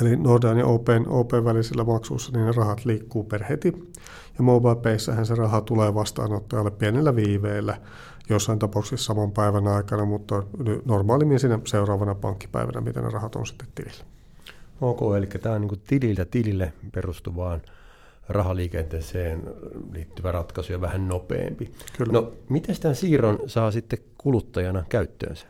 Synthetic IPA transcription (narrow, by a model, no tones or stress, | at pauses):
elinordɑːniʔoːpeːno̰ːpeːʋʋæliselːæmɑksṵisːɑninnerɑhɑt̪liːkːuːperhet̪i | jɑmoːbɑːpeisːæhænserɑhɑt̪uleːʋɑst̪ɑ̰ːnot̪ːɑjɑlːeppienelːæʋiːʋeːlːæ | josːɑint̪ɑpɑˑuksessɑmɑmpæiʋænɑikɑnɑmut̪ːɑnynormɑːlimːinsiːnæseurɑːʋɑnɑpɑ̰ŋkːi̥pæ̰iʋæ̰næ̰mḭt̪æ̰nḛrɑhɑt̪o̰nsi̥t̪ːe̥t̪t̪ḭlil̥ːæ | oːkoːelikːæt̪æːoniːŋkut̪ililt̪æt̪ililːeperust̪uʋɑːn | rɑhɑliːkent̪eːseːnliːt̪ːyʋærɑt̪kɑsujɑʋæhænnopḛːmpikynomit̪æst̪æsiːronsɑːsit̪ːekulut̪ːɑjɑnɑkæyt̪ːø̰ːnsæ̥